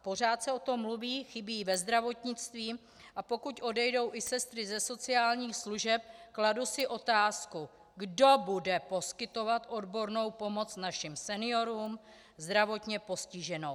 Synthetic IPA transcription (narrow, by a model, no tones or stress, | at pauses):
po̞r̝aːt̪sɛo̞t̪o̞mːluviːxɪbiːvɛzd̪ɾavo̞t̪ɲɪt͡st̪viː | ʔapo̞kucʔo̞dɛjdo̞wʔɪsɛst̪ɾɪzɛso̞t͡sɪaːlɲiːxsluʒɛp̚kladusɪʔo̞t̪aːsku | ɡdo̞budɛpo̞skɪt̪o̞vat̪ʔo̞dbo̞ɾno̞wpo̞mo̞t͡snaʃɪmsɛnɪo̞ɾuːm | zd̪ɾavo̞t̪ɲɛpo̞scɪʒɛno̞w